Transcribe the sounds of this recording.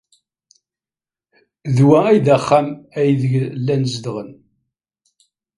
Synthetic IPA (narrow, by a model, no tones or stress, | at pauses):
ðwææjðæχːæmæjðəʝlːænzd̪ʁən